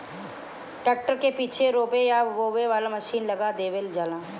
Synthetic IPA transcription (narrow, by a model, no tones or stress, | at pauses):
ʈeːk̚ʈəɾkepiːt͡ʃʰeɾoːbejaʋoːʋeʋaːlamɐʃiːnlɐɡad̪eːʋeld͡ʒaːlãː